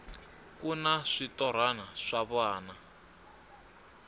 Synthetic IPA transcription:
kunaʂitɔɾ̤anaʂaβwaːna

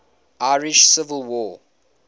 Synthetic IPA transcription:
ʔaɪɹɪʃsɪvəlˠwɔ

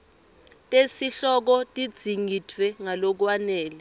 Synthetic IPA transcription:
tʼesiɬɔk̬ɔtʼid̥z̥ʱiŋʱitʰwɛŋalok̬wanɛːlɛ

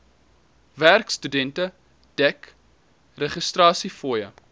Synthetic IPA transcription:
værkstydɛntə | d̥ɛk | rəχəstrɑːsifɔjə

